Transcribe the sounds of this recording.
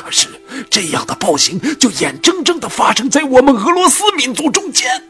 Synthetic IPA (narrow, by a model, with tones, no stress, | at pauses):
ʂɻ̩˥˩ʈ͡ʂɤ˥˧jɑ̰˥˩ŋd̪ə˩pɑ˥˩ʊɕi˧˥ŋt͡ɕjo˥˩ʊjɛ˨˩nʈ͡ʂɤ˥ŋʈ͡ʂɤ˥˩ŋd̪ə˩fa˥ʂɤ˥ŋt͡sa˥˩ɪwɔ˨˩mə˧nɤ˧˥lwɔ˧˥sɹ̩˥mi˧˥nt͡su˧˥ʈ͡ʂʊ˥ŋt͡ɕjɛ˥n